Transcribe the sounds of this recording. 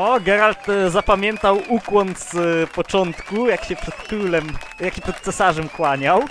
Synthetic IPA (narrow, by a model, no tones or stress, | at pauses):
ɔɡɛɾalt̪zapamʲjɛnt̪awukwɔnt̪spɔt͡ʂɔnt̪kujakɕɛpʂɛt̪kɾulɛm | jakɕɛpʂɛt̪̚t̪sɛsaʐɛmkwaɲaw